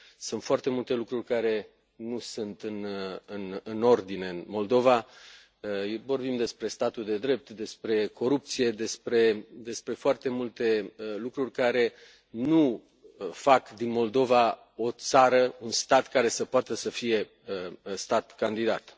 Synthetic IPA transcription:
sunt̪foart̪e̞mult̪e̞lukɾurʲkaɾe̞ | nusunt̪ɨnɨnɨno̞rd̪ine̞ɨnmo̞ld̪o̞va | vo̞rbimd̪e̞spɾe̞st̪at̪uld̪e̞d̪ɾe̞p̚t̪d̪e̞spɾe̞ko̞ɾup̚t̪sije̞d̪e̞spɾe̞d̪e̞spɾe̞foart̪e̞mult̪e̞lukɾurʲkaɾe̞ | nu | fakd̪inmo̞ld̪o̞va | o̞t̪saɾəunst̪at̪kaɾe̞səpoat̪əsəfije̞ | st̪at̪kand̪id̪at̪

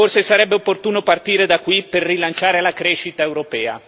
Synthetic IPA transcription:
orsesaɾɛbːeopːort̪uːnopart̪iːɾed̪akːwiperːilant͡ʃaːɾelakɾeʃit̪aewɾopɛːa̰

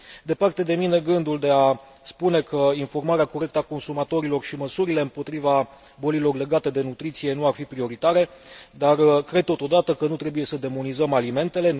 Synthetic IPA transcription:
d̪e̞part̪e̞d̪e̞mine̞ɡɨnd̪uld̪e̞a | spune̞kʰəinfo̞rmaɾeako̞ɾe̞k̚t̪əako̞nsumat̪o̞ɾilo̞rʃiməsuɾile̞ɨmpo̞t̪ɾiva | bo̞lilo̞rle̞ɡat̪e̞d̪e̞nut̪ɾit̪sije̞nuarfipɾio̞ɾit̪aɾe̞d̪arkɾe̞d̪̚t̪o̞t̪o̞d̪at̪əkənut̪ɾe̞buje̞səd̪e̞monizəmalime̞nt̪e̞le̞

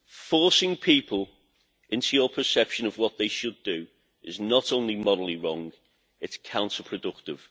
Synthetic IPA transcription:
fɔˑsɪ̃ŋpʰiˑpʰəlˠ | ʔɪ̃ntʰujəpʰəsɛpʃə̃nəvwɒʔ̪̚ðeɪʃədə | ɪznətõʊ̃nlimɒɾəl̩ˠiɹɔ̃ŋɡ | ɪtskʰãʊ̃ntʰəpʰɹ̥ədʊk̚tɪv̥

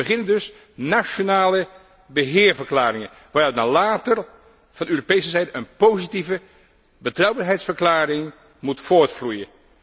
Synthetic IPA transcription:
bəχɪnəndɵs | nat͡ʃonaːlə | bəɦɪːɹvəɹklaːɾɪŋən | ʋaːɾtnalaːtər | v̥ɑndøːropejsəzɛjdəənpowzitivə | bətrʌwbaɹɦɛjtsfəɹklaːɾɪŋ | mutfoːɹtflujən

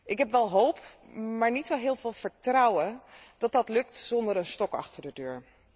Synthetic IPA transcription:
ʔɪkɦɛpʋɛlˠɦowp | maːɹnitsowɦɪːlˠvɪːlˠv̥əɹtrɑwənd̥ɑt̚dɑtlɵktzɔndəɾənstɔkɑ̰χtəɹdədøːɹ

